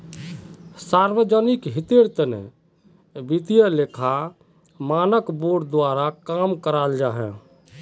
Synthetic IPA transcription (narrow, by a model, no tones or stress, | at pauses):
saɾʋəd͡ʒənɪkɦɪt̪eɾt̪ənḛ | bit̪ijəlekʰa | maːnəkboːɖd̪waːɾakamkəɾald͡ʒaɦɛ̃